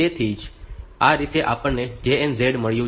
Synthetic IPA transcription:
et̪ʰid͡ʒaɾit̪eʔapəɳned͡ʒeenzeɽməɭjũ

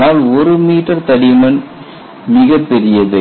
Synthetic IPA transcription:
aːlɔɾɯmiːʈːɐɾt̪ɐɽɪmɐn | mɪɣɐpːɛɾɪjɐðɯ

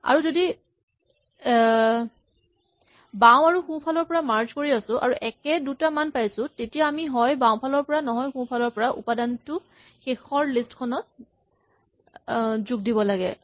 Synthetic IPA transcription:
a̰ɹuzodi | baw̃aɹuxũpʰalɔɹpɔɹamaɹzkoɹiasʊ̃ʔa̰ɹuʔɛkɛdutamanpajsʊ̃tetijaːmiɦɔjbaw̃pʰalɔɹpɔɹanɔɦɔjxũpʰalɔɹpɔɹaʔṵpadantʊ | xexɔɹlistkʰɔnɔt̚ | zuɡ̚dibɔlaɡɛ̰

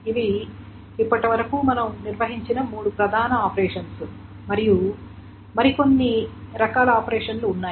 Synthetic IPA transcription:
iʋiː | pːɐʈiʋɐɾɐkuːmɐnɐmniɾʋɐɦiɲt͡ʃinɐmuːɽupɾɐd̪ʱaːnɐaːpɐɾeːʂɐnsu | mɐɾiju | mɐɾiko̞nːiɾɐkaːlɐaːpɐɾeːʂɐnluːnːaː

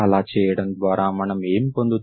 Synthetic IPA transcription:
ɐlaːt͡ʃɛːjɐɽɐmd̪ʋaːɾaːmɐnɐmeːmipond̪ut̪

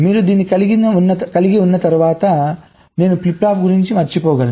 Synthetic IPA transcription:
miːɾud̪iːnːikɐliɡinɐunːɐkɐliɡiunːɐt̪ɐɾuʋaːt̪ɐ | ne̞ːnuplipɾaːp̚ɡuɾiɲt͡ʃimɐɾt͡ʃipɔːɡɐl

